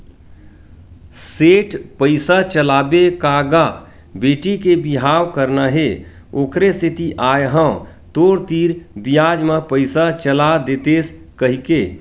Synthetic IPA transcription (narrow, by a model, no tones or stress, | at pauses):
seːʈpəɪsat͡ʃəlaːbekaːɡa | beːʈikebiɦaːwkəɾnaɦe | oːkʰɾesɪt̪iʔaːeɦə̃ | t̪oːɾt̪iːɾbijaːd͡ʒməpəɪsat͡ʃəlad̪eːt̪eːs | kəɦikeː